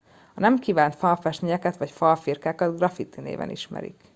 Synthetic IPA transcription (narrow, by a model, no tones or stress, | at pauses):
ɒnɛmkiːvaːnt̪fɒlfɛʃt̪niɲɛkɛt̪ʋɒcfɒlfirkaːkɒd̪ɡrɒfit̪ːinḛːvɛ̰nʔḭʃmɛ̰ɾḭk